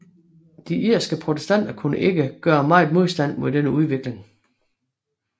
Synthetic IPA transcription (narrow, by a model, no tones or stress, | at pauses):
d̥iʔiɐ̰sɡ̥əpʰʁot͡sʰesd̥æn̰d̥ɐkʰunəʔe̝ɡəɡ̥ɶːɐmɑ̈ɪ̰ðˠmo̝ð̞̰ˠsd̥æn̰moðˠd̥enəuð̞ˠʋeɡ̥le̝ŋ